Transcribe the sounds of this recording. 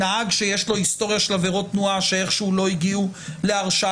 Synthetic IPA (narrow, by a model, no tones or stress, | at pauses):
ahaɡʃe̞jeʃlo̞histo̞ʁjaʃelaveʁo̞tnuaʃee̞χʃulo̞iɡiule̞aʁʃa